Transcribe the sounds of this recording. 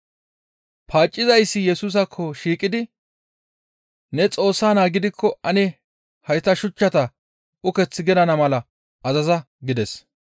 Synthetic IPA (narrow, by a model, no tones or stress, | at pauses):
pʰaːt͡ʃʼːɪzɐjsːɪjɛsuːs̬ɐkʰːɔʃiːkʼːɪd̪ɪ | nɛt͡sʼo̞ːsːaːnaːɡɪd̪ɪkʰːɔɐnɛ | hɐjt̪ːɐʃʊt͡ʃːɐt̪ɐ | ʔʊkɛt͡sːɪɡɛd̪ɐnɐmɐlɐ | ɐzɐzɐ | ɡɪd̪ɛs